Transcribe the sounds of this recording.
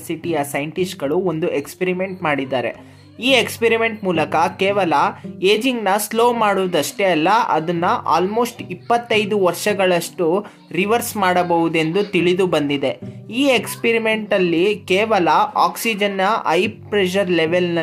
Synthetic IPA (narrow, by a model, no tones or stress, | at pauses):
siʈijɐsɐjɳʈisʈɡɐɭuond̪uʔekspeɾime̞ɳʈmaːɽid̪ːaːɾḛ | iːekspeɾime̞ɳʈmuːlɐkɐkeːʋɐlɐeːd͡ʒiŋɡnɐslo̞ːmaːɽuʋɐd̪ɐʂʈeɐlːɐɐ̰d̪ɐnːɐʔa̰ːlmo̞ːsʈipːɐt̪ːɐjd̪uʋɐɾʃɐɡɐɭɐʂʈu | ɾiʋɐɾsmaːɽɐbɐʋud̪e̞nd̪ut̪iɭid̪ubɐnd̪id̪e̞iːekspeɾime̞ɳʈɐlːikeːʋɐlɐaːksid͡ʒɐnːɐʔɐjpɾeʃ̬ɐɾlɛʋelnɐ